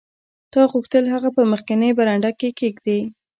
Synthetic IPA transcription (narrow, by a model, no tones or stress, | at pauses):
t̪ɑɣuxt̪əlɦaɣapəməxkanəbaɾaɳɖakekeɡd̪e